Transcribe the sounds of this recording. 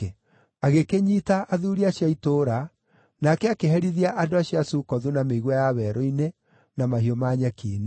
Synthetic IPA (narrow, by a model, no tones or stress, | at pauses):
aɣekeɲitaʔaðuːɾiaɕiaitoːɾa | nakɛakeɦɛɾiðiaʔandoaɕiasukɔðunameiɣwajaβɛɾɔine | namahiɔmaɲɛkiːne